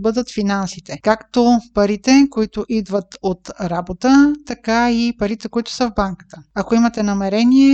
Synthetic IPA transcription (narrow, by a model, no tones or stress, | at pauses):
bɤd̪ət̪finansit̪ɛkakt̪opɐɾit̪ɛkoit̪ʊʔid̪vət̪ot̪ɾabot̪ət̪ɐkaipɐɾit̪ɛkoit̪ʊ̥səvbaŋkə̥t̪əɐkoimɐt̪ɛnɐmɛɾɛniɛ